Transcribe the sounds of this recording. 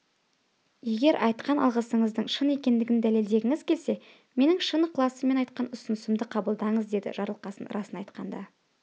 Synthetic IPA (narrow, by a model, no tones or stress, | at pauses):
je̞ɡʲe̞ɾʔɑjt̪qɑnɑ̰lˠʁəsəɴəzd̪əɴʃəne̞kʲe̞nd̪ɪɡʲɪnd̪æle̞ld̪e̞ɡʲɪŋɪzkʲʰe̞lse̞ | me̞nɪŋʃənəqʰlˠɑsəme̞nɑjt̪̚qɑnʊsənəsɪmd̪ɪqʰɑbəlˠd̪ɑɴəzd̪e̞d̪ɪ̰ʒɑɾlˠəqɑsənɾʔɑsənɑjt̪qɑnd̪ɑ